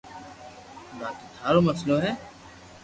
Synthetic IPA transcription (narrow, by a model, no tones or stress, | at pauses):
baːt̪iːt̪ʰaːɾoːməsloːɦɛː